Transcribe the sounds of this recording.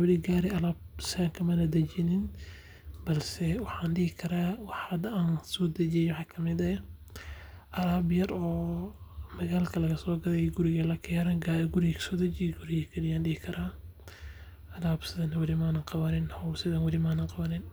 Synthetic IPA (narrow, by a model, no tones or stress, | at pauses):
wɐlɪɡaːɾɪʔɐlaːbsɪðɐŋkʰɐmɐnɐd̪ɐt͡ʃɪnɪn | bɐlsɛwɑħɑːnɖɪɣɪkʰɐɾaːwɑħɐd̪ɐaːnsɔːd̪ɐd͡ʒɛjwʊħɑːkʰɐmɪd̪ɐ | ʔɐlaːbjɐɾɔː | mɐɣaːlkʰɐlɐɣɐsɔːɡɐɾɛjɡʊɾɪɣɐlɐkʰɪɐɾɐɡaɡʊɾɪjkʰɐ̥sɔːd̪ɐt͡ʃɪjɡʊɾɪɣɐkʰɐnɪjaːnɖɪhɪkʰɐɾaː | ɐlaːbsɪðɐnɐwɐlɪmaːnɐqɑβɐnɪnhɔwsɪðɐnwɐlɪmaːnɐŋqɑβɐnɪn